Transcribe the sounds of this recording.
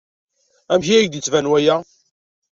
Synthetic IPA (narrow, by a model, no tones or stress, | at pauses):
æmçiæjd̪it͡sːvænwæjæ